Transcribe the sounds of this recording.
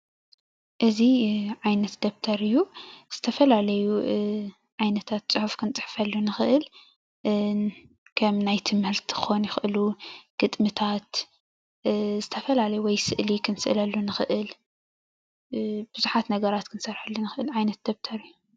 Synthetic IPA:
ʔɨziʕajnɐt̪d̪̥ɐβt̪ʰɐɾɨjːuz̥ɨt̪ʰɐfɐlalɐju | ʕajnɐt̪ʰat̪̚t͡sʼɨħufkʰɨnt͡sʼɨħfɐlːunɨxɨʔɨl | kʰɐmnajt̪ʰɨmhɨlt̪xonjɪxʔɨluɡ̥ɨt̪ʼmɨt̪ʰat̪ | zɨt̪ʰɐfɐlalɐjuwɔjsɨʔlikʰɨnsɨ̰ʔlɐlːunɨxɨʔɨl | b̥ɨzuħat̪nɐɡɐɾat̪kʰɨnsɐɾħɨlːunɨxɨʔɨlʕajnɐt̪̚d̪̥ɐβt̪ʰɐɾɨjːu

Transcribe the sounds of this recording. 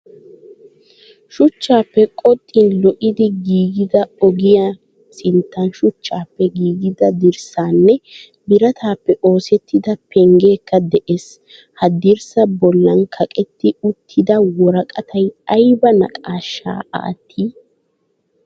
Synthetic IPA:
ʃʊt͡ʃːaːpːɛkʼɔt̪ʼːɪnlɔʔɪd̪ɪɡiːɡɪd̪ɐɔɡɪja | sɪnt̪ːɐnʃʊt͡ʃːaːpːɛɡiːɡɪd̪ɐd̪ɪɾsaːnːɛ | bɪɾɐt̪aːpːɛʔo̞ːsɛt̪ːɪd̪ɐpɛŋɡeːkːɐd̪ɛʔes | hɐd̪ɪɾsɐbɔlːɐnkʰɐkʼɛt̪ːɪʊt̪ʰːɪd̪ɐwɔɾɐkʼɐt̪ʰɐjɐjbɐnɐ̰kʼaːʃːa̰ːa̰ːt̪ʰːiː

